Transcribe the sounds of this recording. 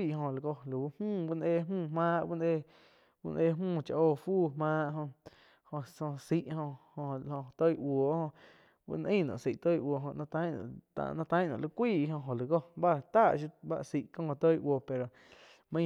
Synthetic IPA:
i˦˧ʔɦõ˧˨lu˨ɡo˧lu˨u˦mũː˦˨bu˦nʔe˧mũː˦˨mãː˦ʔbu˦nʔe˦˧ | bṵ˦˧nʔe˧mũː˦˨t͡ʃa˧ʔoː˧fuː˦˨mãː˦ʔɦõ˧ | hõ˧ʔsõ˧si˧ʔhõ˧hõ˧˨˧hõ˧t̪o˦jʔwo˨ʔhõ˧ | bṵ˧nʔəĩː˦˨nɔ̰̃˨si˨ʔt̪o˦jʔwo˨ɦõ˧ʔnã˧t̪ã˦nɔ̰̃˨t̪a̰˧˨nã˧t̪ã˦jnɔ̰̃˨lu˧kʷiː˦˨ʔɦõ˧ɦõ˨li˨ɡo˦ba˦˨t̪a˦˨ʔʃu˧ba̰˦ʔsi˨ʔkõ˦ŋõ˧˨t̪o˦jʔwoː˧˨pe˨ɾo˨ | mə̃˧

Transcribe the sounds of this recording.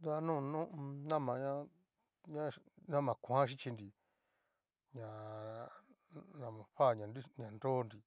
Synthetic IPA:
d̪a˧nũ˦˨nũ˦ʔnã˦mã˨ɲã˦ | ɲã˦nã˦mã˨kʷã˦ʃ̬i˦t͡ʃi˧ndi˨ | ɲã˨ | nã˨mã˨ɸa˦˨ɲã˨ni˦ɲã˨ndo˦ndi˨

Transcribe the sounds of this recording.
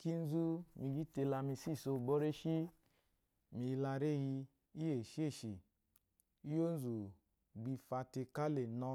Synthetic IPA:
ki˦n̩˦zu˦mi˧ɡi˦te˧la˧mi˧si˦˨so˧˨bɔ˦ɾe˦ʃi˦ | mi˨˧la˧ɾe˦˨ji˧ | i˦je˨ʃi˦e˦˨ʃi˨ | i˦jo˦n̩˦zu˨ | ɡ͡bi˧fa˧te˧ka˦le˨nɔ˧

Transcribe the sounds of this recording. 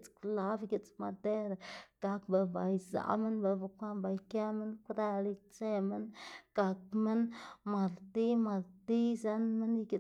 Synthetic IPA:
t͡skula˦viɡʲi˨t͡sma˨d̪e˦ɾaɡ̥a˨kba˨ba˨iza̰˨ʔmə˦nba˨va˨kʷa˦mba˨ike˦mə˦nku˦ɾa˦li˦t͡se˦mə˦nɡ̥a˨k̚mə˦nma˨lt̪i˦ma˨lt̪i˦za˦nmə˦niki˨

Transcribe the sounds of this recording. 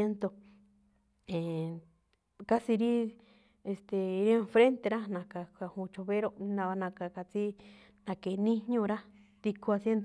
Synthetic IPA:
e˦nt̪o˧ | ẽ˨ | ka˦si˧ɾi˦ | e˧st̪e˨i˧ɾẽ˧fɾe˦nt̪e˧ɾa˦nã˨ka˧˨ka˧hũ˧t͡ʃo˧βe˦ɾo˧˦nã˧βa˧nã˧ka˧ka˧t͡si˦ | nã˧ke˨˧nĩ˦ɲũ˦˧ɾa˦ | t̪i˧kʰu˧a˧sje˦nd̪o˧

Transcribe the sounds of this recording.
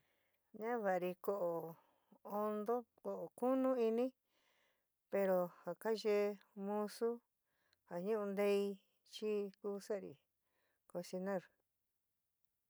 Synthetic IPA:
ɲã˦βa˨ɾi˧ko˧˨ʔo˨ | o˧nd̪o˦ko˨ʔo˨ku˦nũ˦i˧nĩ˦ | pe˧ɾo˧ha˨ka˦ʒe˦˧mũ˧su˦ | ha˨ɲũ˦ʔũ˧nd̪e˧˦i˧ | t͡ʃi˦kuː˦sa˦ʔɾḭ˨ | ko˧si˧nã˦˨ɾ

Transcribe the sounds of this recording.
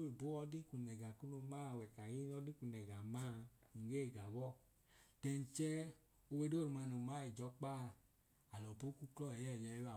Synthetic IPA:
o˦e˨bo˦ɔ˧di˦ku˨nɛ˨ɡa˨ku˦no˧ma˦˨wɛ˨ka˨ji˦n˦ɔ˧˦di˦ku˨nɛ˨ɡa˨ma˦˨ŋ̩˨ɡe˦˨ɡa˨wɔ˦˨ | tɛ˧n˧t͡ʃɛ˦ | o˧we˧˦do˦˨ɾu˨˧ma˧no˨ma˦i˨d͡ʒɔ˨˦k͡pa˦˧˨ | a˨lɔ˨po˦ku˦klɔ˦ɛ˨jɛ˦˨jɛ˧˦a˨

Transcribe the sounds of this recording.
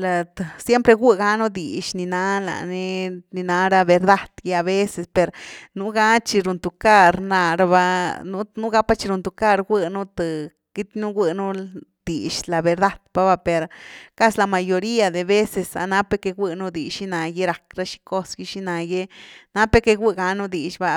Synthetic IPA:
la˨t̪sje˦mpɾe˧ɡʷi˦ɡa˦nu˦d̪i˨ʃni˧na˧˦la̰˨ni˦ni˧na˧ɾa˦be˧ɾd̪a˦d̪̥je˦a˧βe˦se˨spe˨ɾnu˦ɡa˦t͡ʃi˧ɾu˨˧nt̪u˨ka˦ɾna˧ɾa˧βa˦nu˦nu˦ɡa˦pa˦t͡ʃi˧ɾu˧nt̪u˧ka˦˧ɾɡʷi˧nu˦t̪ɨ˨ | ɡ̥i˦t̪nu˦ɡʷi˧nu˦d̪̥i˨ʃla˨be˧ɾd̪a˦d̪̥pa˦βa˧pe˨ɾka˦sla˧ma˧jo˧ɾi˦a˧d̪e˨be˦se˧sa̰˨na˦pe˧ke˧ɡʷi˧nu˦d̪i˨ʃi˦na˧je˦ɾa˨kɾa˦ʃi̥˧ko˦sɡi˧˦ʃi˦na˧je˦na˧˦pe˧ke˧ɡʷi˦ɡa˧nu˦d̪i˨ʃba˦

